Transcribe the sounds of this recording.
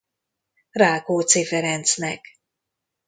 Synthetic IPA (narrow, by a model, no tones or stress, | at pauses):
raːlkoːt̪seːfɛɾɛnt̪snɛk